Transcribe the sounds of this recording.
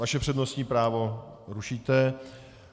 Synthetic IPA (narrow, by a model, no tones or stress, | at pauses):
vaʃɛpr̝̥ɛdnostɲiːpɾaːvo̞ɾuʃiːt̪ɛ